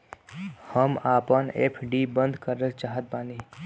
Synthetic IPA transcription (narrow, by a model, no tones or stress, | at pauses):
həmaːpənḛːpʰɖibə̃nd̪kəɾnət͡ʃaːɦət̪̚baːni